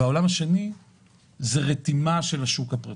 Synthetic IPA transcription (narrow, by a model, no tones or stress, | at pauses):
ao̞lamaʃe̞ni | zeʁet̪imaʃelaʃukhapʁa